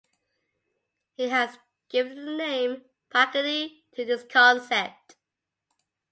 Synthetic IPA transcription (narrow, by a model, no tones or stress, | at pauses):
hiɨz | ɡ̥ɪvə̃nðənẽɪ̃m | fʰækəti | tʰɨðɪskʰɑ̃nsɛp̚t